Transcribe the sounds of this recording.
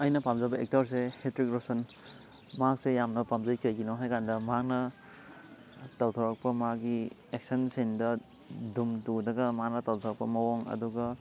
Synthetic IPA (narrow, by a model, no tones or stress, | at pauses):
ɐjnɐpamzɐbɐek̚taɾs̬ehetɾikɾɔsɔn | mak̚sejamnɐpamzɐjkajɡinɔɦajkʰandɐmak̚nɐ | tawtʰɔɾak̚pɐmaɡi | ek̚sɐnsendɐ | dumtudɐɡɐmak̚nɐtawtʰɔɾak̚pɐmɐwɔŋɐ̰duɡɐ